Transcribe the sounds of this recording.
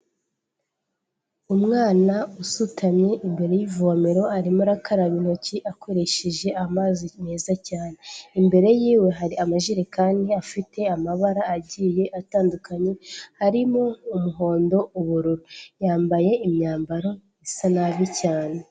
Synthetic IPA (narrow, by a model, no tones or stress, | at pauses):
umŋaːnausutʰamɲe̞ʔimbe̞ɾe̞jivuameɾo̞aɾimoɾakʰaɾaβino̞ciʔakʰo̞ɾe̞ʃeʒe̞ʔamaːzineːzacaːne̞imbe̞ɾe̞jiːwe̞ɦaɾiamaʒiɾekaːndiafite̞amaβaɾaːɟiːje̞ʔataːndukʰaɲe̞haɾimo̞umuɦo̞ːndo̞uβuɾuɾujaːmbaje̞imɲaːmbaɾo̞ | isanaβicaːne̞